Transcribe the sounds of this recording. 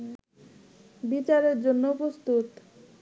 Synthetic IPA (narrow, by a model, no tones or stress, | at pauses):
bit͡ɕaɾeɾd͡ʑonːopɾost̪ut̪